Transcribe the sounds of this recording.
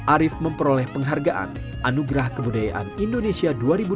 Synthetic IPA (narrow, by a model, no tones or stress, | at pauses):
ʔaɾɪfməmpəɾolɛhpəŋɦarɡaʔa̰n | ʔanuɡɾahkəbudaja̰ʔa̰nindonesiaduaɾibu